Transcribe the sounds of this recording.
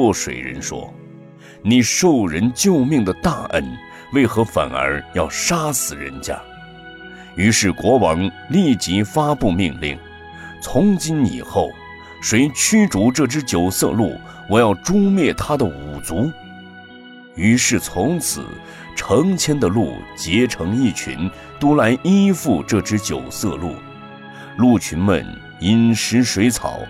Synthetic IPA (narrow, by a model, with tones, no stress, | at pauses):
ɔ˥˩ʂwḛ˨˩ɪɻə̰˧˥nʂwɔ̰˥ | ni˨˩ʂo˥˩ʊɻə˧˥nt͡ɕjo˥˧ʊmi˥˩ŋd̪ə˩t̪a˥˩ʔə̰˥n | we˥˩ɪxɤ˧˥fa̰˨˩nə̰˞˧˥jɑ˥˩ʊʂa˥sɹ̩˨˩ɻə̰˧˥nt͡ɕja̰˥ | y˧˥ʂɻ̩˥˩kwɔ˧˥wɑ˧˥ŋ | li˥˩t͡ɕi˧˥fa˥pu˥˧mi˥˧ŋlḭ˥˩ŋ | t͡sʰʊ˧˥ŋt͡ɕi˥nḭ˨˩xo˥˩ʊ | ʂwe˧˥ɪt͡ɕʰy˥ʈ͡ʂu˧˥ʈ͡ʂɤ˥˩ʈ͡ʂɻ̩˥t͡ɕjo˨˩ʊsɤ̰˥˧lṵ˥˩ | wɔ˨˩jɑ˥˩ʊʈ͡ʂu˥mjɛ˥˩t̪ʰa˥d̪ə˨u˨˩t͡su˧˥ | y˧˥ʂɻ̩˥˩t͡sʰʊ˧˥ŋt͡sʰɹ̩̰˨˩ | ʈ͡ʂʰɤ˧˥ŋt͡ɕʰjɛ˥nd̪ə˨lṵ˥˩t͡ɕjɛ˧˥ʈ͡ʂʰɤ˧˥ŋi˥˩t͡ɕʰy̰˧˥n | t̪u˥la˧˥ɪʔi˥fu˥˧ʈ͡ʂɤ˥˩ʈ͡ʂɻ̩˥t͡ɕjo˨˩ʊsɤ̰˥˧lṵ˥˩ | lu˥˩t͡ɕʰy˧˥nmə̰˧˨n | i˧˥nʂɻ̩˧˥ʂwe˧˥ɪt͡sʰɑ̰˨˩˦ʊ